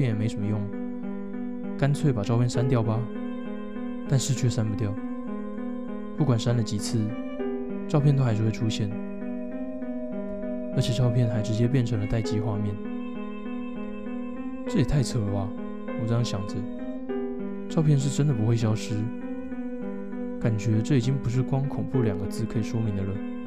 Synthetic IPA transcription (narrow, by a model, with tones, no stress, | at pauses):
ɛ˨˩me˧˥ɪʂə˨˩mə˦jʊ˥˩ŋ | ka˥nt͡sʰwe˥˩ɪpa˨˩ʈ͡ʂɑ˥˧ʊpʰjɛ˥˨nʂa˥nt̪jɑ˥˩ʊbɐ˨ | t̪a˥˧nʂɻ̩˥˧t͡ɕʰɛ˥˩ʂa˥npu˧˥t̪jɑ˥˩ʊ | pu˥˩kwa˨˩nʂa˥nlə˨t͡ɕi˨˩t͡s̩ʰ˥˩ | ʈ͡ʂɑ˥˧ʊpʰjɛ˥˩nt̪o˥xa˧˥ʂɻ̩˥˧˥we˥˩ʈ͡ʂʰu˥ɕjɛ˥˩n | ə˧˥t͡ɕʰɛ˨˩ʈ͡ʂɑ˥˧ʊpʰjɛ˥˩nxa˧˥ɪʈ͡ʂɻ̩˧˥t͡ɕjɛ˥p̬jɛ˥˩nʈ͡ʂʰɤ˧˥ŋlə˧t̪a˥˧ɪt͡ɕi˥xwa˥˧mjɛ˥˨n | ʈ͡ʂɤ˥˩jɛ˨˩t̪ʰa˥˩ɪt͡sʰɤ˧˥ə˧a˥˩ | wɔ˨˩ʈ͡ʂɤ˥jɑ˥˩ŋɕjɑ˨˩ŋd͡zə˨˦ | ʈ͡ʂɑ˥˧ʊpʰjɛ˥˧nʂ̬ɻ̩˥˩ʈ͡ʂə˥nd̪ə˨pu˧˥xwe˥ɪɕ̬jɑ˥ʊʂɻ̩˥ | ka˨˩nt͡ɕɥɛ˧˥ʈ͡ʂɤ˥˩i˨˩t͡ɕi˦˥ŋpu˧˥ʂ̬ɻ̩˥˩kwɑ˥ŋkʰʊ˨˩ŋpu˥˩ljɑ˨˩ŋɡə˦t͡sɹ̩˥˩kʰɤ˧˥i˨˩ʂwɔ˥mi˨˧˥nd̪ə˨lə˩